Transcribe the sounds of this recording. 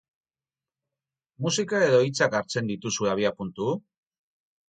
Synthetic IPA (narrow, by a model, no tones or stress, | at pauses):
musikae̞ðo̞it͡sakaɾt͡se̞nd̪it̪usue̞aβ̞iapunt̪u